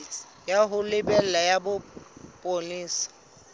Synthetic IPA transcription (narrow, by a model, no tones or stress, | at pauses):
jaɦʊlɪbɛl̩lajabʊpʼoliːsḁ